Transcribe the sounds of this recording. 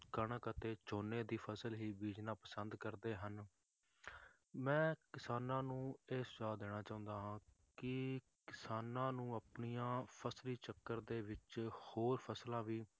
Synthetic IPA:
kəɳkət̪eːt͡ʃoːneːd̪iːpʰəsəlɦiːbiːd͡ʒnãːpəsənd̪kəɾd̪eːɦən | mɛ̃ːkɪsaːnãːnũːeːsʊzaːd̪eːɽ̃aːt͡ʃaːʊ̃nd̪aːɦãː | kɪ | kɪsaːnãːnũːəpɳijãːpʰəsliːt͡ʃəkːəɾd̪eːʋɪt͡ʃhoːɾpʰəslãːʋiː

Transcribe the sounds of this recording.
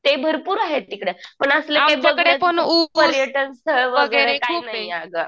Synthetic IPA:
t̪ebʱəɾpuːɾaɦet̪ikɽepəɳəslekeb̪eəɡkɽepəɳuʋəljeʈənsəɭʋəɡəɾəɾekkʰuːnajjaɡə

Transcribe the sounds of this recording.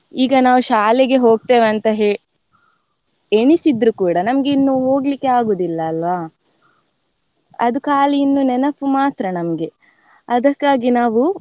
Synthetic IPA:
iːɡɐnaːʋuʃaːleɡe̞ɦo̞ːɡ̚t̪eːʋɐnt̪ɐɦe | eɳisid̪ɾukuːɽɐnɐmɐɡeinːuɦo̞ːɡlikːeaːɡoːd̪ilːɐːlʋaː | ɐd̪ukaːliinːunɛnɐpːumaːt̪ɾɐnɐmɐɡe̞ | ɐd̪ɐkːaːɡinaːʋu

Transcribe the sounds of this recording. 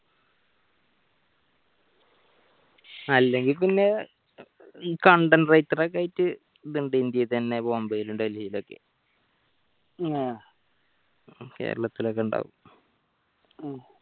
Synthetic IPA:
ɐlːe̞ŋɡilpinːe̞ | iːkɐɳɖɐnrɐjt̪ːirekːaːjitːɨ | ðuɳɖɨind̪jɐt̪ɐnːe̞boːmbɐjiluɳɖɨɐlhijilo̞kːe̞̰ | ke̞̰ːɾɐɭɐt̪ːilo̞k̬ːeuɳɖa̰ːʋṵm

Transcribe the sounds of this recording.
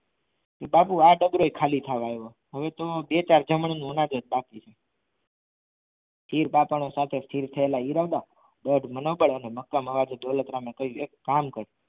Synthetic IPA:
t̪ebapuaɖəɡɾoekʰalit̪ʰaʋajo | ɦəʋet̪obet͡ʃaɾd͡ʒəməɳ̃nũːnãd̪ət̪̚bakit͡ʃʰe | t̪ʰiɾpapənosat̪ʰest̪ʰiɾt̪ʰəelaiɾaʋd̪a | ɖəɖmənobəɭəneməkːəməʋad͡ʒed̪olət̪ɾamẽkəɦjũekːamkəɾ

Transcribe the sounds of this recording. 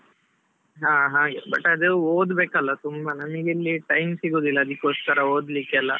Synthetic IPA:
ɦãːɦãːɡebɐʈːɐd̪uoːd̪beːkɐlːɐt̪umbɐnɐmɐɡelːiʈɐjmsiɡoːd̪ilːɐːd̪ikʲːoskɐɾɐoːd̪likːeɐlːɐ

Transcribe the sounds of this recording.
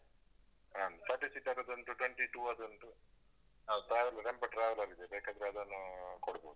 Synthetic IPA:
ansɐʈisiʈɐɾɐd̪ɐnt̪uʈweɳʈiʈuːɐd̪ɐnt̪u | at̪aːʋɐlɐɾempɐʈɾaːʋɐlaːɡid̪ebeːkaːd̪ɾaːd̪ɐnakɔɽɐbo̰ːd̪u

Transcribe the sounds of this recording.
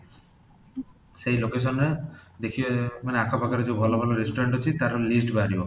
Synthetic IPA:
seɦilokes̬ɔned̪ekʰibmaneakʰɔpakaɾed͡ʒeubʱɔlɔbʱɔlɔɾisʈɔɾeɳʈɦɔt͡ʃʰit̪aɾɔlisʈbaɾibɔ

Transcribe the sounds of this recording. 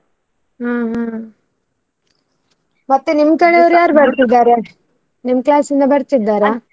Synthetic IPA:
ɦãːɦãː | mɐt̪ːenimkɐɽeɐʋɾujaːɾbɐɾt̪id̪ːaːɾe | nimklaːsind̪ɐbɐɾt̪id̪ːaːɾaː

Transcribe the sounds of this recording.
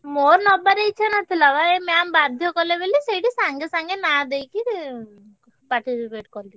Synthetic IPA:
moɾnɔbaɾeit͡ʃʰanɔt̪ʰilaʋaemambad̪ʱjɔkɔlebeliseʈisaŋɡesaŋɡenad̪ejki | paɾʈisipeʈkɔɾli

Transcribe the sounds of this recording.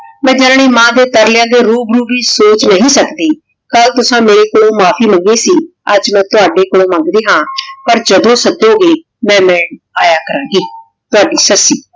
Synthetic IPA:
mɛ̃ːd͡ʒəɾɳiːmãːd̪eːt̪əɾlɪjãːd̪eːɾuːbɾuːbiːsoːt͡ʃnəɦĩːsəkd̪eː | kəlt̪ʊsãːmeːɾeːkoːlõːmaːpʰiːməŋɡeːsiːəd͡ʒmɛ̃ːt̪ʊaːɖeːkoːlõːmə̃ŋɡd̪eːɦãːpəɾd͡ʒəd̪õːsəd̪oːɡeː | mɛ̃ːmɛ̃ːɳ | aːjaːkəɾãːɡiː | t̪ʊaːɖiːsəsiː

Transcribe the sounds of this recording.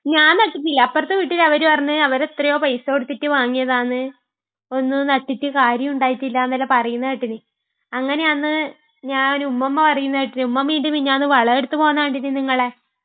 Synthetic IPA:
ɲaːnnɐʈːit̬ːilːɐɐpːɐrt̪ːɨʋiʈːilɐʋɐɾupɐrɐɲːɨɐʋɐɾet̪rɐjo̞ːpɐjsoːɽut̪ːitːɨʋaːŋːijɐðaːnɨ | o̞nːɨnɐʈːitːɨkaːɾjɐmuɳɖaːjitːilːɐnːɐlːɐpɐrɐjunːɐiʈːinɨ | ɐŋːɐne̞anːɨ | ɲaːnumːɐmːɐpɐrɐjunːɐʋiʈːinumːɐmʋiːɳɖumiɲaːnɨʋɐɭɐeɽut̪ːɨpo̞ːnːaːɳɖinːɨniŋːɐɭe̞

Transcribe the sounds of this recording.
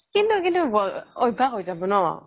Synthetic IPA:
kintukintuɔɔjbʱaɦojzabɔnawa̰

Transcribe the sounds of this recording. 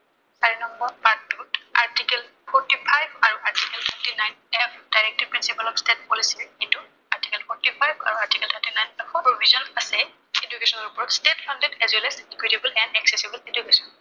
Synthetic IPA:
taɹinɔmbɔɹpattutaɹtikɛl | pʰɔɹtipʰajbaɹuaɹtikɛltʰɛɹtinajnɛpʰd̥ajɹɛk̚tiɹpɹinsipalɔkstet̚pɔlisietu | aɹti̥kɛlpʰɔɹtipʰajba̰ɹuaɹtikɛltʰətinajnɛkʰɔpɹobʱizɔnasɛ | edukesɔnɔɹupɔɹɔtstetpʰandedɛzɛlɛsikɹitibulɛndɛksesibuledukesɔn

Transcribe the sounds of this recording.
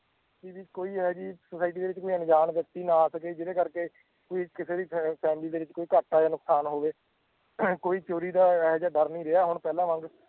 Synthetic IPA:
kiːʋiːkoːiːɦɛːd͡ʒiːsəsaːɪʈ̬iːd̪eːʋɪt͡ʃkoːiːənɪd͡ʒaːnʋɪt̪iːnaːsəkeːd͡ʒɪɾeːkəɾkeː | koːiːkɪseːd̪iːpʰɛːmliːd̪eːʋɪt͡ʃkoːiːkəʈːaːaːnʊksaːnɦoːʋeː | koːiːt͡ʃoːɾiːd̪aːɦd͡ʒaːɖəɾnĩːɾeaːɦʊɳ̃pɛːlãːʋə̃ŋɡ

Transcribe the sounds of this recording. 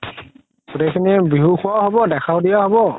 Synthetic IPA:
ɡutejkʰinibiɦukʰuwaɦobɔdɛkʰawdijaɦɔbɔ

